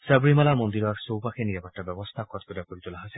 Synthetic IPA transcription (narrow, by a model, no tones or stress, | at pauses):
sabɹimalaɹmɔnd̪iɹɔɹsowpaxʰeniapatːabɛbɔst̪ʰakʰɔt̪ʰbɔd̪akoɹit̪ulaɦasɛ